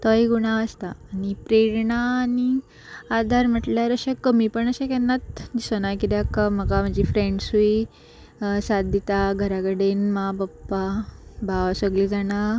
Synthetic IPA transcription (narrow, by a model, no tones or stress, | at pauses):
t̪əjɡuɽ̃aəst̪aːnipɾeɾɳaːni | ad̪ʱaɾm̤əʈljaɾəɕekəmipəɳəɕekɛnːat̪d͡ʑisənajkit̪jakːam̤əɡam̤əɳd͡ʑifɾeɳɖsui | sad̪it̪aɡʱəɾaɡəɽenmabəpːabʱaʋsəɡlid͡zana